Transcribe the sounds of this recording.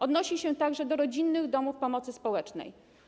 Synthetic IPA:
ɔd̪nɔɕiɕɛt̪aɡʐɛd̪ɔɾɔd͡ʑinːɘɣd̪ɔmufpɔmɔt̪sɘspɔwɛt͡ʂnɛ̰j

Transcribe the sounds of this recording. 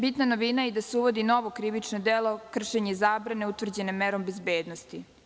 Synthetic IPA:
bit̪nano̞ʋinaeid̪aseuʋo̞d̪ino̞ʋo̞kɾiʋit͡ʂnod̪eːlo̞kr̩ʃeɲezaːbɾane̞ut̪ʋr̩d͡ʑenemːeɾo̞mbezbeːd̪nost̪i

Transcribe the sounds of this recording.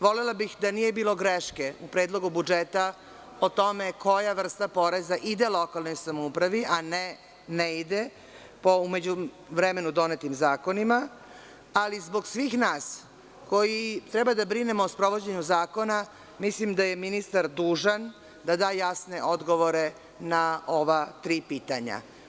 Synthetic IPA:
ʋo̞lelabixd̪anijebiːlo̞ɡɾeʃkeupɾeːd̪lˠo̞ɡubud͡ʒet̪a | ot̪o̞meko̞jaʋr̩st̪apo̞ɾe̞zaʔid̪elˠo̞kalˠno̞jsamoupɾaʋiʔane | neid̪e | poume̞d͡ʑu | ʋɾeme̞nud̪o̞net̪imzaːko̞nima | alizbo̞ɡsʋiːxnaːs | ko̞jit̪ɾɛbad̪abɾinemoːspɾo̞ʋo̞d͡ʑeɲuzaːko̞na | mislimd̪ajeminist̪aɾd̪uːʒan | d̪ad̪aːjasne̞ʔo̞d̪ɡoʋo̞ɾe̞ | naoʋat̪ɾiːpiːt̪aɲa̰

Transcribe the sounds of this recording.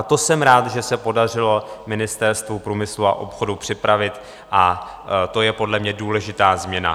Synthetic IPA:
at̪o̞sɛmɾaːt̪ʒɛsɛpo̞dar̝ɪlo̞mɪnɪst̪ɛɾst̪vupɾuːmɪslua̰ʔo̞pxo̞dupr̝̥ɪpɾavɪt̪ | ʔa | t̪o̞jɛpo̞dlɛmɲɛduːlɛʒɪt̪aːzmɲɛna̰

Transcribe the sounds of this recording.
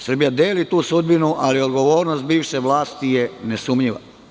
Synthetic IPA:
sr̩bijad̪eːlit̪uːsud̪binuʔaliod̪ɡo̞ʋo̞ːɾnost̪̚biːʋʃeʋlˠaːst̪ijenesumɲiʋa̰

